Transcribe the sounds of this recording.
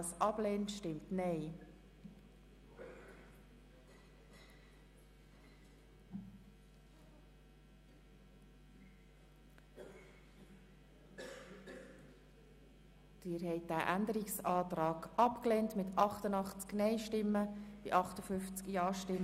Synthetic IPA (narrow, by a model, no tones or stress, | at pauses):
əsʔɑb̥lɛːntʃtɪmtnɛɪ | d̥ɪːɾhɛɪt̚d̥æːʔændəɾiksɑːt̪ɾɑːɡ̥ɑpkleːntmɪtʰɑχtənɑχt͡sknɛɪʃtɪmːəb̥ɪʔɑχtəfʏft͡skjɑːʃtɪm